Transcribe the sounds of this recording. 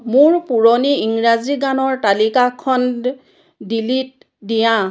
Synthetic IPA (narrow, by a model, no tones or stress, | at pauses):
mʊɹpuɹɔniiŋɹaziɡanɔɹtalikakʰɔn | dilit̚ | dijã